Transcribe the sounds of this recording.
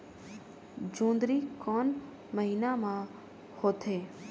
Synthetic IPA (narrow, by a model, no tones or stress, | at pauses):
d͡ʒõːnd̪ɾiːkɔːn | məɦiːnamã | hoːt̪ʰeː